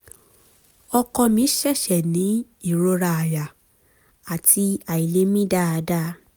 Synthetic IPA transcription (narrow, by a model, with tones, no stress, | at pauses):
ɔ˧kɔ˧mĩ˨˦ʃɛ˦˨ʃɛ˨nĩ˨˦ | i˦˨ɾo˧ɾa˧a˨ja˨ | a˨tʰi˧a˨i˨le˦mĩ˦da˦˨a˨˧˦da˦